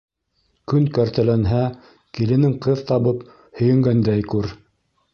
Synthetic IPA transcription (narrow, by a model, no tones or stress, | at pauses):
kɵnkæɾt̪ælænɦæ | kilɘ̆nɘŋqɤðt̪ɑβɤp | hɵ̆jɘ̆ŋɡænd̪æjkʉɾ